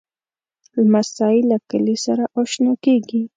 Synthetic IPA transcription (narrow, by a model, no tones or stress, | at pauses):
lamasɑilakəlisaɾaʔoʃnokeɡi